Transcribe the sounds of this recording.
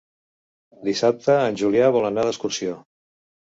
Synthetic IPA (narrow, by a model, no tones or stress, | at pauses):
d̪isap̚t̪əːnʲʒuliaβɔlˠənaðəskursio